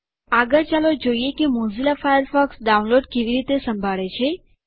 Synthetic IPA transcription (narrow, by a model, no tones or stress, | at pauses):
aɡəɾt͡ʃalod͡ʒoijekimõzilafajəɾfɔksɖawnloɖkeʋiɾit̪esə̃mbʱaɭet͡ʃʰe